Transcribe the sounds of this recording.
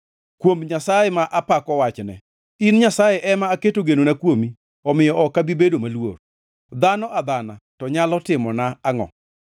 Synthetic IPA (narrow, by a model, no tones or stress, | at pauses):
kwomɲasajɛmaʔapakɔwat͡ʃnɛ̰ | inɲasajɛʔɛmaːketoɡenonakwomi | ɔmɪjɔʔɔkabibedomalwo̰r | d̪anɔʔad̪anatɔɲalɔtɪmɔnaːŋɔ̰